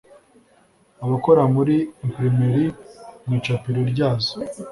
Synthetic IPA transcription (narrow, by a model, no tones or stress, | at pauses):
aβakoɾamuɾimpɾimiɾimut͡ʃapiɾoɾɟaːzo̥